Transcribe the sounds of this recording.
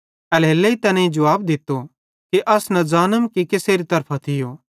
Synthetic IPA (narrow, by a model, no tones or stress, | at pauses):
ɐleːlːeit̪ɐnẽid͡ʒɐʋaːb̚d̪ɪt̪ːo | kiʔɐsnɐ̃zaːnəmkikɪseːɾit̪ɐɾpʰat̪ʰɪjoː